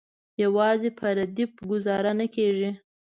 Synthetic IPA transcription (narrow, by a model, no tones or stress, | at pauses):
jawɑzepʰəɾad̪ipɡʊzɑɾanakeʒi